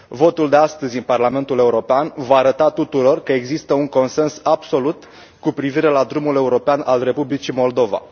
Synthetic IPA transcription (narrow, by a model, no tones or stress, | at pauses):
vo̞t̪uld̪e̞ast̪əzʲɨnparlame̞nt̪ule̞uɾo̞peanvaːɾət̪at̪ut̪uɾo̞rkəe̞ɡzist̪əuŋko̞nse̞nsabso̞lut̪ | kupɾiviɾe̞lad̪ɾumule̞uɾo̞peanʔalre̞publit͡ʃimo̞ld̪o̞va̰